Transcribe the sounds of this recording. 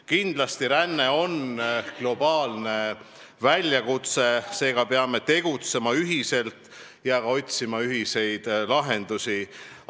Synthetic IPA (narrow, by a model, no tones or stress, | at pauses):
kind̪lɑst̪iɾænːe̞o̞nɡ̥lo̞b̥ɑːlne̞ | vælʲjɑkut̪se̞se̞ːɡ̥ɑpeɑme̞t̪e̞ɡ̥ut̪semɑyɦise̞lt̪ˑ | jɑɑo̞t̪ʲsimɑyɦise̞jd̪̥lɑɦe̞nd̪̥usi